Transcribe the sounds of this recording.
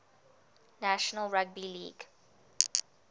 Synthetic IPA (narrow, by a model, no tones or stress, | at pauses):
næʃənəlɹaɡ̚bilḭːɡ